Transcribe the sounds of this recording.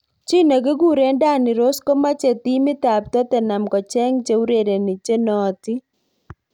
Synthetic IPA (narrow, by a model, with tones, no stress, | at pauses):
t͡ʃi˦nɔ˨ɡɪ˦ɡu˦ɾe˨˦nda˦˨nɪ˨ɾo˦sko˦ma˦t͡ʃe˨t̪i˦mɪ˦t̪a˨p̚t̪ɔ˦t̪ɛ˨na˨mkɔ˨t͡ʃɛ˦ŋt͡ʃe˨˦u˦ɾe˦˨ɾe˨ni˨t͡ʃe˦nɔ˨t̪ɪ˦